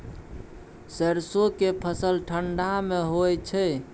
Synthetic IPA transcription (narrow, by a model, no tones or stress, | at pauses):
səɾsokepʰəsəlʈʰəɳɖameɦojt͡ʃʰɛ